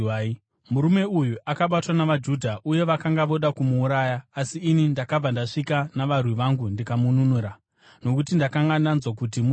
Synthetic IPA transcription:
muɾume̞ujuakaɓatwanaʋad͡ʒudʱaʔuje̞ʋakaŋɡaʋo̞ɗakumuːɾaːjaːsiːnindakab͡vandaʂikanaʋarwiʋaŋɡundikamununuɾa | no̞kutindakaŋɡananzwakut̬imu

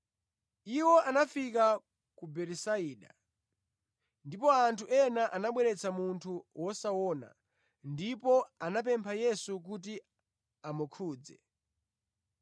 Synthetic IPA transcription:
iwɔʔanafika | kubɛɾɛsaiːɗa | ndipɔantʰuʔɛnaʔanaɓwɛɾɛt͡sʰamuntʰuwɔsawɔːna̰ | ndipɔanap̬ɛmpʰajɛsuk̬ut̬i | amukʰuːd͡zɛ̰

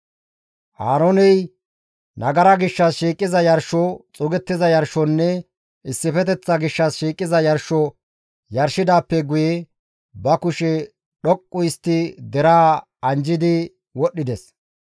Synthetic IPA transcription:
haːɾonɛj | nɐɡɐɾɐɡɪʃːɐsʃiːkʼːɪzɐjɐɾʃɔt͡sʼʊɡɛt̪ːɪzɐjɐɾʃɔnːɛ | ɪsːɪfɛt̪ɛt͡sːɐɡɪʃːɐsʃiːkʼːɪzɐjɐɾʃɔ | jɐɾʃɪd̪aːpːɛɡʊje | bɐkʊʃɛ | ɗɔkʼːʊjst̪ːɪd̪ɛɾaː | ɐnd͡ʒɪd̪ɪ | wɔɗːɪd̪ɛs

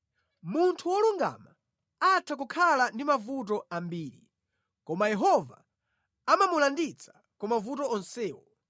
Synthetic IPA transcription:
muntʰuwɔluŋɡa̰ma | atʰak̬ukʰalandimavut̬ɔambiːɾi | kɔmajɛɦɔva | amamulandit͡sʰḁ | kɔmavutɔɔnsɛːwɔ

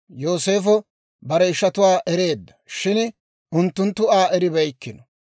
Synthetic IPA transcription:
jo̞ːse̞ːfɔ | bɐɾɛɪʃːɐt̪ʊwaːʔɛɾe̞ːd̪ːɐ̥ʃɪn | ʊnt̪ːʊnt̪ːʊaːʔɛɾɪbɐjkːɪnɔ̥

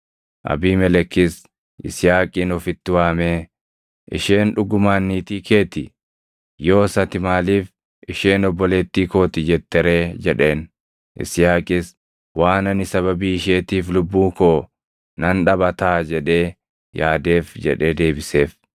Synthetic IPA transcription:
ʔɐ̰biːmɛlɛkːɪs | ʔɪ̰sɪjaːkʼɪːnɔfɪt̪ːɪwaːmeː | ʔɪ̰ʃeːnᶑʊɡʊmaːnːiːt̪iːke̞ːt̪ɪ | jo̞ːsɐt̪ɪmaːliːf | ɪʃe̞ːnɔbːɔleːt̪ːiːko̞ːt̪ɪd͡ʒɛt̪ːɛɾe̞ːd͡ʒɛᶑe̞ːn | ʔɪ̰sjaːkʼɪs | waːnɐnɪsɐβɐbiːɪʃeːt̪iːflʊbːuːkoː | nɐnᶑɐbɐt̪aːd͡ʒɛᶑe̞ː | jaːd̪eːfd͡ʒɛ̰ᶑe̞ːd̪e̞ːbɪse̞ːf

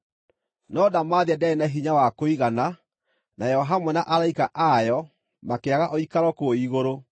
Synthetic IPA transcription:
nɔdamaðiadaenaɦiɲawakoiɣana | najɛɔɦamɔnaʔaɾaikaʔajɔ | makeaɣaʔɔikaɾwɔkoiɣoɾo

